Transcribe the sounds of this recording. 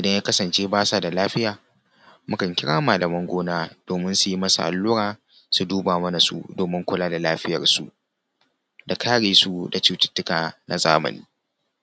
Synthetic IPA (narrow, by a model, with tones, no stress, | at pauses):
ʔɪ˨dɐ˦jaː˦kɐ˦sɐ˨nt͡ʃeː˦baː˦sa˨da˨laː˦ɸɪ˦jaː˨ | mʊ˦kɐ˨ŋkʲɪ˦ɽaː˦maː˨lɐ˨mɐ˦ŋɡʷoː˦naː˦d̥oː˨mɪ˦nsu˨ji˦mɐ˦sa̰˨ʔa̰˨lːuː˦ɽaː˨ | su˨duː˦baː˨mɐ˦na˨sṵ˦doː˨mɪ˦ŋkʷʊ˦laː˦da˨laː˦ɸɪ˦jɐ̰˨rsṵ˨ʔ | da˨kʰaː˦ɽeː˨su˦da˨t͡ʃuː˦tɪ̥˦tːʊ˦kaː˨nʔa̰˨zaː˦mɐ̰˨niː˦